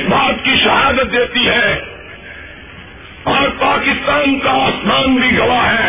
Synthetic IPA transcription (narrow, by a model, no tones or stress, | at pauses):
sbʱaːt̪kiʃɐɦaːd̪ət̪̚d̪eːt̪iɦɛː | ɔːɾpaːkɪst̪aːnkaaːsmaːnbʱiɡɐʋaɦɛː